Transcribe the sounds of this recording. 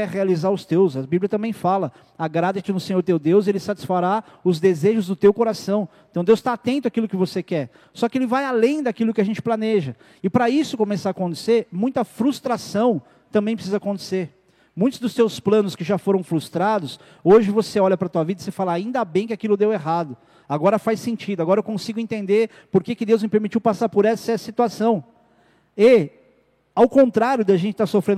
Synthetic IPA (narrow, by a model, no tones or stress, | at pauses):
ɛhealizaɾʊst̪ewsɐbibliɐt̪ɐ̃mbẽj̃falɐ | aɡɾad̪ɐt͡ʃɪnʊsẽɲ̃oɾt̪ewd̪ewzelɪsat͡ʃi̥sfaɾa | ʊzd̪ezeʒʊzd̪ʊt̪ewkoɾasɐ̃w̃ẽt̪ɐ̃w̃d̪ewst̪aːt̪ẽnt̪ʊakilʊkɪvosekɛɾ | sɔkɪelɪvajalẽj̃d̪akilʊkɪaʒẽnt͡ʃɪplɐneʒɐ | ɪpɾɐisʊkomɛsaakõnt̪e̥seɾmũj̃t̪ɐfɾust̪ɾasɐ̃w̃ | t̪ɐ̃bẽj̃pɾsizɐakõnt̪e̥seɾ | mũj̃t̪ʊzd̪ʊst̪ewsplɐ̃nʊskɪʒafoɾɐ̃w̃fɾust̪ɾad̪ʊs | oʒɪvoseɔʎɐpɾɐt̪uɐvid̪ɐɪsefalɐaĩnd̪abẽj̃kɪakilʊd̪eweɦad̪ʊ | aɡɔɾɐfajsẽnt͡ʃid̪ʊaɡɔɾɐewkõsiɡʊẽnt̪ẽnd̪eɾ | poɾkekɪd̪ewzmɪpeɾmit͡ʃiwpasaɾpoɾɛsɐsit̪uasɐ̃w̃ | ɪ | awkõnt̪ɾaɾjʊd̪ɪaʒẽntt͡ʃɪ̥t̪aɾsofɾẽn